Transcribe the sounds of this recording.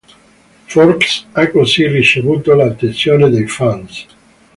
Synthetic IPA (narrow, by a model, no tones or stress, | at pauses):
foɾksakosirit͡ʃeβut̪olat̪ensjoned̪ejfans